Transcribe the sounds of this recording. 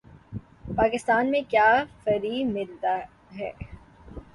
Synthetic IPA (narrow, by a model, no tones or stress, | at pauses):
paːkɪst̪aːnmẽkjaːfɐɾiːmɪlt̪a | ɦɛ̰ː